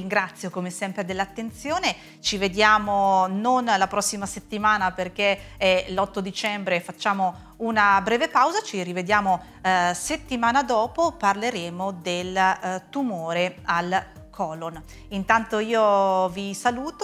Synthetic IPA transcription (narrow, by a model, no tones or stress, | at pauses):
iŋɡɾat̪sːjokomesɛmpɾed̪elːat̪ːent̪sjoːne | t͡ʃived̪jaːmononlapɾɔsːimaset̪ːimaːnaperk̟eɛlɔt̪ːod̪it͡ʃɛmbɾefat͡ʃːaːmo | unabɾɛːvepawzat͡ʃirived̪jaːmo | set̪ːimaːnad̪ɔːpoparleɾeːmod̪elt̪umoːɾeal | kʰɔːlon | int̪ant̪oiːovisaluːt̪o